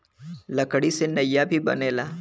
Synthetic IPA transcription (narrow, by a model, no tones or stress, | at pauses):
lɐkɽisenɐjabʱibɐ̰neːlaː